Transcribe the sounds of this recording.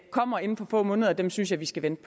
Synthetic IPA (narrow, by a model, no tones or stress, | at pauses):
kʰɒ̽m̰ɐe̝n̩fɒ̽fɔ̰̽ːmɔ̽ːnəð̞ˠɐd̥emsynsjɑ̈ɪʋisɡ̥æʋend̥̚pʰ